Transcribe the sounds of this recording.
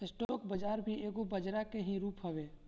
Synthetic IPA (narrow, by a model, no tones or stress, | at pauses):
ɪsʈoːkbəd͡ʒaːɾbʱieːɡobəd͡ʒɾakeɦĩɾuːpɦəʋeː